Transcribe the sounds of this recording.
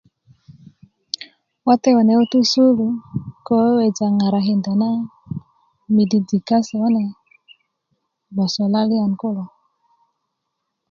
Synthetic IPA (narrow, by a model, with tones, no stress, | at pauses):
wa˦tɛ˦wɔ˨nɛ˨o˦tu˦su˦lu˨kɔ˦we˨d͡ʒa˨ŋa˨ɾa˨ɦe˨nda˨na˦ | mi˨di˨d͡zi˨ka˦sɛ˨wa˦na˨ | ba˨sɔ˨la˦li˦a˨nko˦lɔ˨